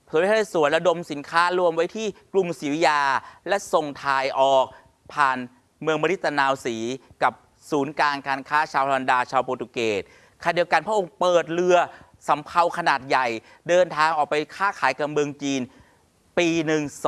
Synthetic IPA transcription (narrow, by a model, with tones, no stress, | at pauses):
o˨˩˦a˧˩suː˨˩˦nɾa˧do˧msi˨˩˦nkʰaː˦˥ɾu˧əmwa˦˥jt̪ʰiː˥˩klu˨˩msiː˩˦wi˦˥jaː˧lɛ˦˥so˨˩ŋt̪ʰaː˧jʔɔː˨˩k̚ | pʰaː˨˩n | mɯ˧əŋbɔː˧ɾi˦˥t̪̚ːa˧naː˧wsiː˩˦ka˨˩p̚ | suː˩˦nkaː˧nkaː˧nkʰaː˦˥˩t͡ɕʰaː˧wʰa˧ndaː˧t͡ɕʰaː˧wpoː˧t̪u˧keː˨˩t̪̚ | kʰa˧˨di˧əwka˧npʰɾʔo˧ŋpɤː˨˩t̪̚lɯ˧ɐ | sa˩˦mpʰa˧wkʰa˧naː˨˩t̪̚ja˨˩j | dɤː˧nt̪ʰaː˧ŋʔɔː˨˩k̚pa˧jkʰaː˥˩kʰaː˩˦jka˨˩p̚mɯ˧əŋt͡ɕiː˧n | piː˧nɯ˨˩ŋ